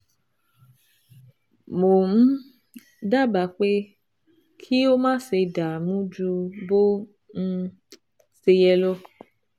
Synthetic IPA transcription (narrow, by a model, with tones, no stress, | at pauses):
mo˨m̩˦ | da˦ba˨k͡pe˦ | kʰi˦wo˦mãː˦se˧da˨mũ˦d͡ʒu˧bo˦ | ŋ̩̃˦˧ | se˧jɛ˧lɔ˦